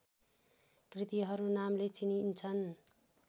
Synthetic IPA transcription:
krit̪iɦʌɾunamlet͡sinint͡sʰʌn

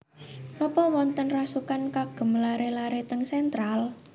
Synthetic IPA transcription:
lɔpɔwɔnt̪ənrasukankaɡ̥ə̤mlaɾelaɾet̪əŋsɛnt̪ɾal

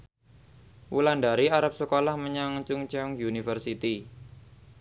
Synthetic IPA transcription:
wulandaɾiaɾap̚səkolahməɲaŋt͡ʃuŋt͡ʃɔŋjunifərsit̪i

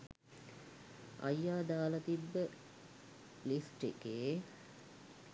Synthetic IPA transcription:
ɐ̰jːaːd̪aːlət̪ibːə | lisʈikeː

